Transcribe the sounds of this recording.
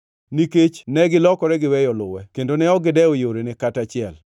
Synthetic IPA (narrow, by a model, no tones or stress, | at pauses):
niket͡ʃnɛɡɪlɔkɔɾɛɡɪwɛjɔlʊ̰wɛkendonɛɔɡɪdɛojoɾenɪkatat͡ʃɪɛl